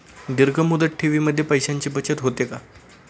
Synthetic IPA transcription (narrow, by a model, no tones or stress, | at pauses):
d̪iɾɡʱəmud̪əʈʈʰiʋiːməd̪ʱːjepəjɕaɲt͡ɕiːbət͡ɕət̪ɦot̪eka